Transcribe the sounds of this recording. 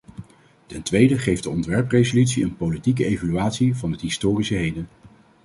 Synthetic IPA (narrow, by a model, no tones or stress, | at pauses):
tɛntʋejdəχejvdəɔntʋɛɹprejzolytsiənpowlitik̬əejvalyaːtsivɑnətɦɪstʊːrisəɦejdən